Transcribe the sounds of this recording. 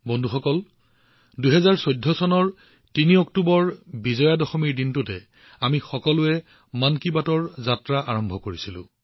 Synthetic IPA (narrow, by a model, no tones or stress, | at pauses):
bɔndʱuxɔkɔl | duɦɛzaɹsojdʱːɔsɔnɔɹ | tiniɔk̚tubɔɹbizɔjadɔxɔmiɹdintutɛ | amixɔkɔlʊɛ | mankibatɔɹzatɹaʔaɹɔmbʱɔkoɹisilʊ̰̃